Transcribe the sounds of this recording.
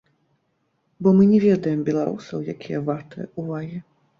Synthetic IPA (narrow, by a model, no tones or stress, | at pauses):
bɔmɨnʲɛvʲɛd̪ɐjɛmbʲɛlˠaɾṵsɐwjakʲʰijɐvart̪ɐj̰uvaɣʲi